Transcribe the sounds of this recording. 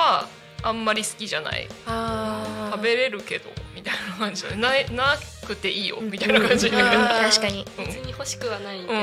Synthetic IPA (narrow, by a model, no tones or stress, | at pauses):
a | ãmːaɾʲisɨ̥kʲiʑana̰ḭat̪abe̞ɾe̞ɾɯ̟ke̞d̪o̞̰mʲit̪ainakãɲ̟d͡ʑina̰nenaenakɯ̟t̪ːe̞ʔiːjo̞̰mʲit̪ainakʰãɲ̟d͡ʑiɲeeaɕi̥kaɲiɯ̟̃ɴeɲ̟ːiho̞ɕi̥kɯ̟βanaiɯ̟̃